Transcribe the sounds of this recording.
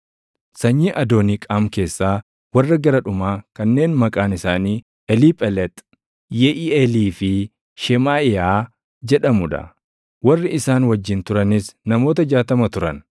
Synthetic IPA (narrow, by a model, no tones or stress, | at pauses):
sɐɲːiːʔɐd̪o̞ːniːkʼaːmke̞ːsːaː | wɐrːɐɡɐɾɐᶑʊmaːkɐnːe̞ːnmɐkʼaːnɪsaːniː | ʔɛliːpʼɛlɛt̪ʼ | jɛʔiɛliːfɪ | ʃɛmaːɪjaː | d͡ʒɛᶑɐmʊᶑɐ̰ | wɐrːɪɪsaːnwɐd͡ʒːɪnt̪ʊɾɐnɪsnɐmo̞ːt̪ɐd͡ʒaːt̪ɐmɐt̪ʊɾɐn